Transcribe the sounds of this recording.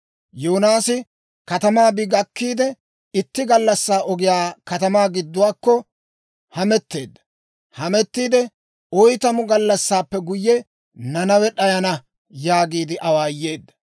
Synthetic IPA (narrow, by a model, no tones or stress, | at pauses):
joːnaːsɪ | kɐt̪ɐmaːbɪɡɐkːiːd̪ɛ | ɪt̪ːɪɡɐlːɐsːaːʔɔɡɪjaːkɐt̪ɐmaːɡɪd̪ːʊwaːkːɔ | hɐmɛt̪ːe̞ːd̪ːɐ | hɐmɛt̪ːiːd̪ɛ | ɔjt̪ɐmʊɡɐlːɐsːaːpːɛɡʊjːɛ | nɐnɐwɛɗɐjɐnɐ | jaːɡiːd̪ɪʔɐwaːjːe̞ːd̪ːɐ̥